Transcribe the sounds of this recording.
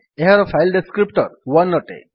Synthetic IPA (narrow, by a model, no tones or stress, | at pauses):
eɦaɾɔpʰajlɖeskɾipʈɔɾwanːɔʈḛ